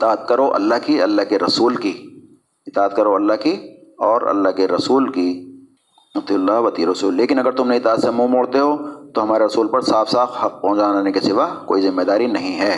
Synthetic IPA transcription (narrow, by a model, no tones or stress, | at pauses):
ɪt̪aːət̪̚kɐɾoʔɐ̰lːaɦkiɐlːaɦkeɾɐsuːlki | ɪt̪aːət̪̚kɐɾoɐlːaɦkiɔːɾɐ̰lːaɦkeɾɐsuːlki | ɐt̪ilːaːʋɐt̪iɾɐsuːlːeːkɪnɐɡəɾt̪ʊmneɪt̪aːt̪semũːmoːɽt̪eɦot̪oɦɐmaːɾeɾɐsuːlpɐɾsaːfsaːfhɐq̚pɐɦʊ̃d͡ʒaːnaːnekesɪʋako̰ːizɪmːed̪aːɾinɐɦĩɦɛː